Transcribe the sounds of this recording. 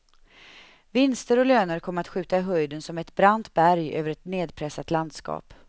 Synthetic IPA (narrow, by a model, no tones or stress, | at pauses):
vɪnst̪əɾɔløːnəɾkʰɔmːəɾat̪ɧʉ̟ːt̪aɪɦœjd̪ənsɔmɛt̪bɾant̪bæɾjø̰ːvəɾɛt̪neːd̪pʰɾɛsːat̪land̪skɑ̰ːp